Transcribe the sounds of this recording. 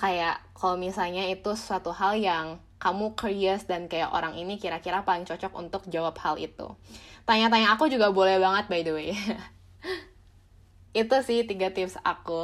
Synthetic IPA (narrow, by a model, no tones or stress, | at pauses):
kajaʔkalmisalɲait̪usuat̪uɦaljaŋ | kamukəɾiəsdankajaʔo̰ɾaŋinikiɾakiɾapalɪŋt͡ʃɔt͡ʃɔkṵnt̪ʊk̚d͡ʒawap̚halḭt̪ṵt̪aɲat̪̬aɲaːkud͡ʒuɡabolɛhbaŋət̪̚baidue | it̪usɪht̪iɡat̪ɪpsa̰ku